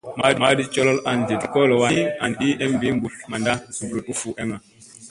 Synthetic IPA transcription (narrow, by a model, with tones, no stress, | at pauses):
ma˨madi˦t͡ʃɔ˦lɔ˦lʔa˨nd͡ʒe˨dkɔ˦lɔ˨wa˦a̰˨nɗi˦ʔɛ˦mbi˦mɡu˨lma˨nda˦su˨bɾuʔu˦fu˨ʔɛ˦ma˨